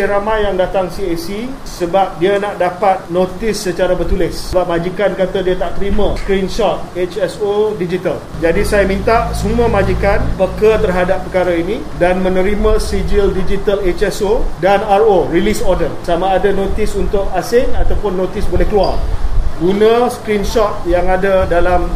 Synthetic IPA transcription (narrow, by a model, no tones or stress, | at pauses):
ɾamãjːaŋdat̪aŋsiesi | səbap̚dianaʔdapat̪̚not̪ɪsːət͡ʃaɾabərt̪ulɪsəbap̚mãd͡ʒikankat̪adiat̪aʔt̪əɾimãskɾinʃɔt̪̚et͡ʃɛsodid͡ʒit̪al | d͡ʒadisajamĩnt̪aʔsumũə̃mãd͡ʒikanpəkət̪ərɦadapːəkaɾainĩ | danmə̃nə̃ɾimãsid͡ʒildid͡ʒit̪alet͡ʃɛsodanarorilisɔrdərsamaːdanot̪ɪsunt̪ʊk̚asɪnat̪awpʊnːot̪ɪsbolɛhkəluarɡunãskɾinʃɔt̪̚jaŋadadalam